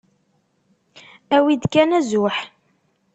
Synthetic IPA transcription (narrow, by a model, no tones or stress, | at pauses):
æwid̪kænæzʊħ